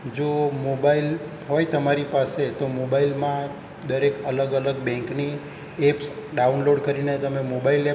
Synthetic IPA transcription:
d͡ʒomobail | ɦojt̪əmaɾipaset̪omobailmã | d̪əɾekələɡələɡbɛ̃ŋkni | epsɖaunloɖkəɾinet̪əmemobaile

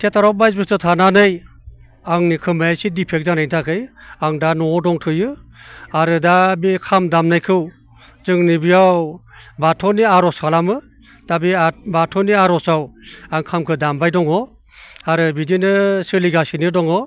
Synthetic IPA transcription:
tʰetʰaɾɔbajzbɯstɯtʰananɯj | aŋnikʰɯmajajsidipʰek̚zanajntʰakʰɯjaŋdanɔdɔŋtʰɯjɯaɾɯdabikʰamdamnajkʰɯw | zɯŋnibiawbatʰɔniaɾɔskʰalamɯ | d̥abiabatʰɔniaɾɔsawaŋkʰamkʰɯdambajdɔŋɔ | aɾɯbidinɯsɯliɡasinidɔŋɔ

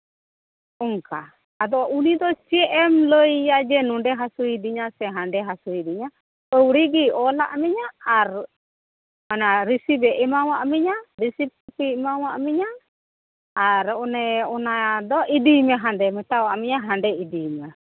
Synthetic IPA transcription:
uŋkaː | d̪ɔʔunid̪ɔsiɛʔɛmloijad͡ʒɛnundɛɦasuidiɲasɛɦandɛɦasuidiɲa | ɔwɾiɡiɔla̰ʔmiɲaːɾ | manaɾisibɛʔimawaʔmiɲaɾisip̚upimawaʔmiɲaː | ɾunɛɔnad̪ɔʔidimɛɦandɛmɛt̪awaʔmiɲaɦandɛidimɛ

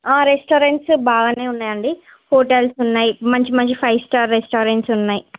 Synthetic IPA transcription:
aːɾesʈoːɾeɳʈsbaːɡaneːunːajɐɳɖi | hoːʈelsunːajimɐɲt͡ʃimɐɲt͡ʃipʰɐjsʈaɾːesʈoːɾeɳʈsunːɐji

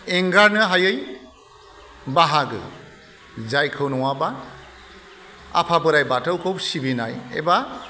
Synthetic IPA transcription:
eŋɡaɾnɯɦajɯj | baɦaɡɯ̰ | zajkʰɯwnɔwaba | a̰pʰabɯɾajbatʰɯwkʰowsibinajḛba

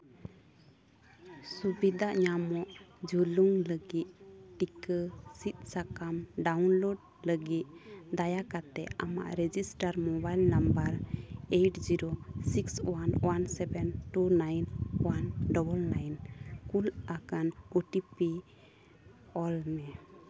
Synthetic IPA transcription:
subid̪ʱaʔɲamɔʔd͡ʒuluŋləɡit̪̚ʈikəsit̪̚sakamɖawnloɖ̚ | ləɡit̪̚d̪ajakat̪ɛa̰ma̰ʔɾɛd͡ʒisʈaɾmɔbajlnambəɾejʈd͡ʒiɾosikswanwansɛbɛnʈunajnwanɖɔbəlnajnkulakanuʈipi | ɔlmɛ

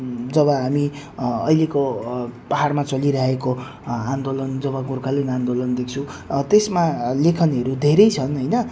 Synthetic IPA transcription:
d͡zʌβʌɦamiʌ̰jlekopaɦaɽmat͡sʌliɾʌɦeko | and̪olʌnd͡zʌβʌɡurkʰalenand̪olʌnd̪ek̚t͡sʰũt̪esmalekʰʌnʌɾud̪ʱeɾʌjt͡sʰʌnɦʌjnʌ

